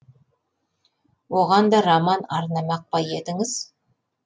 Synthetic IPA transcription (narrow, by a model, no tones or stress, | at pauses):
woʁɑnd̪ɑɾamɑnɑɾnɑmɑq̚pɑje̞t̪ɪŋɪz̥